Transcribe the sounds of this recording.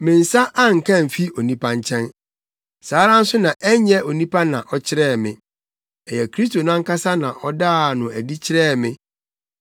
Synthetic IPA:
mɪ̃˨n̩˨sa˦ʔa˦ŋ̩˨kʰã˦˨m̩˨fi˦o˨nĩ˦pʰa˦ɲ˦t͡ɕʰɛ̃˦n | saː˨˦ɾã˦n̩˦sʊ˦nã˨ʔɛ˦ɲɛ˦ʔo˨nĩ˦pʰa˦nã˨ʔɔ˦t͡ɕʰɪ˦ɾɛː˦˨mɪ̰̃˨ | ɛ˨jɛ˨kʰɾi˦s̬to˨nʊ̃˦ã˦ka˦sa˦nã˨ʔɔ˦daː˦˨nʊ̃˨æ˨di˦t͡ɕʰɪ˦ɾɛː˦˨mɪ̃˦

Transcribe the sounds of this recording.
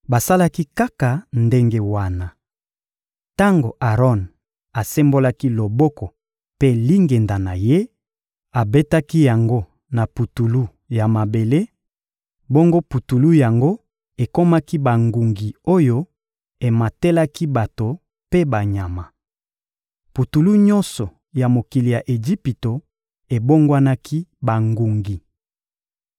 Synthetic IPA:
ba˨sa˦la˦ki˦ka˦ka˨nde˦ŋɡe˦wa˦na˨ | ta˦ŋɡo˨ʔa˨ʁɔ˦n | a˨se˦mbo˦la˦ki˦lo˨bɔ˦kɔ˨ | pe˦li˦ŋɡe˨nda˨na˨je˦ | a˨be˦ta˦ki˦ja˨ŋɡo˦ | na˨pu˨tu˨lu˦ | ja˨ma˨be˨le˦ | bo˦ŋɡo˦pu˨tu˨lu˦ja˨ŋɡo˦ | e˨ko˦ma˦ki˦ba˨ŋɡu˨ŋɡi˨o˦jo˦ | e˨ma˨te˦la˦ki˦ba˨to˨ | pe˦ba˨ɲa˨ma˨ | pu˨tu˨lu˦ɲɔ˦nsɔ˨ | ja˨mo˨ki˨li˨ja˨ʔe˨ʒi˦pi˨to˨ | e˨bo˦ŋɡwa˦na˦kʰi˦ba˨ŋɡu˨ŋɡi˨

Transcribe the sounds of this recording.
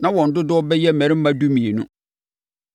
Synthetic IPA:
nã˦wɔ̃˨n̩˨dʊ˦dʊ˦ɔ˦bɛ˦jɛ˦˨mɛ̃˨ɾɪ˦m̩˦mã˦du˦mĩ˨e˨nũ˦

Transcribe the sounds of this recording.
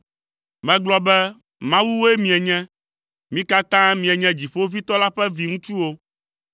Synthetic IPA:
mɛ̃˨ɡ͡blɔ˦bɛ˦ | mã˦wu˦wo˦e˦mĩ˨ɛ˨ɲɛ̃˦ | mĩ˦ka˦t̪ã˦mĩ˨ɛ˨ɲɛ̃˦d͡ʑi˨ɸo˦vi˦t̪ɔ˦la˦ɸɛ˦vi˨ŋũ˦t͡ʃu˦wo˦

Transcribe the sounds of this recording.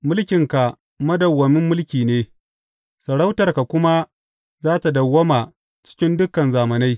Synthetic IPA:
mʊ˦lkʲɪ˨ŋka˨ | mɐ˦dɐ˨wːɐ˨mɪ˦mːʊ˦lkʲiː˨neː˦ | sɐ˨ɽa˦wtɐ˨rka˨kʷʊ˦ma˦ | zaː˦ta˨dɐ˨wːɐ˦ma˨ | t͡ʃɪ̥˦kʲɪ˦ndʊ˦kɐ˨nzaː˨mɐ˨na˦j

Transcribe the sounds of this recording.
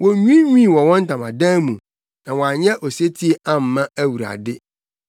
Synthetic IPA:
wɔ̃˨ɲᶣĩ˦ɲĩ˦˨wɔ˨wɔ̃˦n̩˦tã˨mã˨dãː˦mũ˨ | nã˨wɔ̃˨a˨ɲɛ̃˦ʔo˨se˦tʰi˦e˦ã˦m̩˨mã˦æ˦wu˨ɾa̰˨dɪ˦

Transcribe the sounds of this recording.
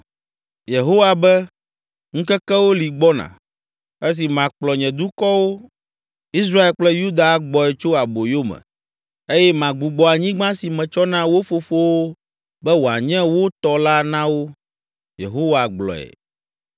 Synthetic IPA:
je˨ɦo˦wa˨bɛ˦ | ŋ̩̃˦kɛ˦kɛ˦wo˦li˨ɡ͡bɔ˦nã̰˨ | e˦s̬i˨mã˨k͡plɔ˨ɲɛ̃˨d̪u˦kɔ˦wo˦ | i˦s̬ɾa˦e˨lk͡plɛ˦ju˦d̪a˨˦ɡ͡bɔ˨ɛ˨t͡ʃo˦a˨bo˨jo˦mɛ̰̃˨ | e˦jɛ˦mã˨ɡ͡bu˨ɡ͡bɔ˨a˨ɲĩ˦ɡ͡bã˦si˨mɛ̃˨t͡ʃɔ˦nã˦wo˦fo˨fo˦wo˦ | bɛ˦wo˨a̰˨ɲɛ̃˦wo˦t̪ɔ˨la˦nã˦wo˦ | jḛ˨ɦo˦wa˨ɡ͡blɔ̰˨ɛ̰˨

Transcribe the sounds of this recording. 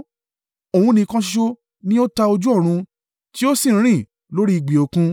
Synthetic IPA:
o˨hũ˧nĩ˧kã˧ʃ̬i˦ʃo˦ | nĩ˦o˦ta˧o˧d͡ʒu˦ɔ˦˨ɾ̃ũ˧ | ti˦o˦sĩ˦˨˦ɾ̃ĩ˦˨ | lo˦ɾi˦i˧˨ɡ͡bi˨o˨kũ˧

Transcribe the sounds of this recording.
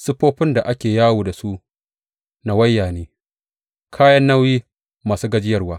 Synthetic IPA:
sʊ˦ɸoː˦ɸɪ˦nda˨ʔa˦kʲeː˨jaː˦wuː˨da˨su˦ʔ | na˨wɐ˦jːaː˨neː˦ | kʰaː˦jɐ˦nːa˦wjiː˦ | maː˨suː˦ɡɐ˦d͡ʒɪ˦jɐ˦rwaː˦

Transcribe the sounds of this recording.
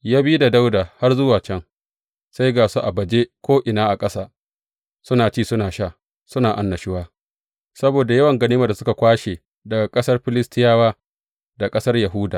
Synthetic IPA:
jaː˦biː˦da˨da˦wdaː˨ha˦rzʊ˦waː˨t͡ʃɛ˦ŋ | sa˦jɡaː˨su˦ʔa˨bɐ˨d͡ʒe˦kʷoː˦ʔɪ˨naː˦ʔa˨kʼɐ˦saː˦ | sʊ˦naː˨t͡ʃiː˦˨sʊ˦naː˨ʃaː˦ | sʊ˦naː˨ʔa̰˨nːɐ˨ʃɪ˦waː˦ | sɐ˦boː˨da˨jɐ˦wɐ˨ŋɡɐ˦niː˦ma˨da˨sʊ˦ka˨kʷaː˦ʃe˨ | da˨ɡa˨kʼɐ˦sɐ˦rɸɪ˦lɪ˦stɪ˦jaː˦waː˦ | da˨kʼɐ˦sɐ˦rjɐ˨ɦuː˦daː˨

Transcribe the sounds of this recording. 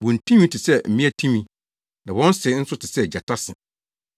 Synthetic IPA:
wɔ̃˨n̩˨tʰĩ˦mĩ˦tʰɪ˨sɛ˦˨m̩˨mĩ˦æ˨tʰĩ˦mĩ˦ | nã˨wɔ̃˦n̩˦sɪ˨˦n̩˦sʊ˦tʰɪ˨sɛ˦˨d͡ʑa˨tʰa˦sɪ̃˨

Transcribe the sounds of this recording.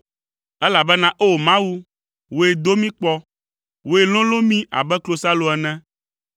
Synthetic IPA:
ɛ˦la˨bɛ˦nã˦ʔo˦o˨mã˦wu˦ | wo˨e˨d̪o˦mĩ˦k͡pɔ˦ | wo˨e˨lɔ̃˦lo˦mĩ˦ʔa̰˨bɛ˦klo˨sa˦lo˨ɛ˨nɛ̃˦

